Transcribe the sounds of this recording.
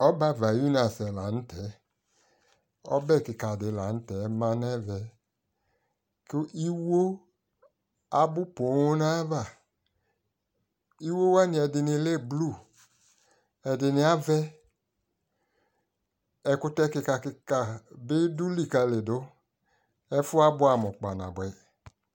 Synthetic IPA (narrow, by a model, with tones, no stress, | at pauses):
ɔ˦ba˦˨va˨ju˦na˨sɛ˨la˨n̩˦tʰɛ˨˦ | ɔ̰˦bɛ˦˨kɪ˨ka˨dɪ˨la˨n̩˦tɛ˨˦mã˨nɛ˦vɛ˨ | kɪ˦ʔi˦wo˦ | a˨bʊ˦pʊ˨˦na˦va˨ | i˦wo˦wa˦nɪ̃˨ɛ˨dɪ˨nɪ˨le˦˨blu˦˨ | ɛ˨dɪ˨nɪ˨a˦vɛ˦ | ɛ˨kʊ˦tɛ˦kɪ˧ka˨˧kɪ˧ka˨bɪ˦du˦li˨ka˧le˨dʊ˦ | ɛ˦fʊ˦a˦bʊ˦a˨mɔ˨k͡pa˨na̰˨bɛ˨